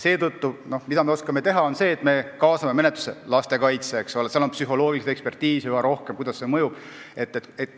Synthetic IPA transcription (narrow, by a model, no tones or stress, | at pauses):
se̞ːt̪ɤt̪ːuno̞hmid̪ɑme̞o̞skɑme̞t̪e̞ɦɑo̞nse̞ːt̪ːˑme̞kɑːsɑme̞me̞net̪lu̥selɑst̪e̞kɑjt̪seːkso̞leseɑlo̞npsyɦo̞lo̞ːɡilist̪ekspe̞rt̪iːsyɑɾo̞hkemkujd̪ɑsːe̞mɤjub̥ | e̞t̪ːet̪et̪